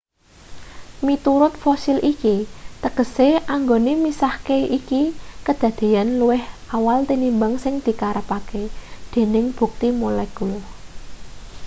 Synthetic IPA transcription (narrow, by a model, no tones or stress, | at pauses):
mit̪uɾʊt̪̚fosilʔikit̪əkəseʔaŋɡonemisahkeikikəd̪̥ä̤d̪̥e̤janluwɪhawalt̪inimbaŋsɪŋd̪̥i̤kaɾəpaked̪̥e̤nɪŋb̥ṳk̚t̪imolɛkul